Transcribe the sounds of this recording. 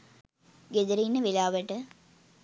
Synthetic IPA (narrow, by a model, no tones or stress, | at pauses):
ɡed̪əɾiinːəʋelaːʋəʈə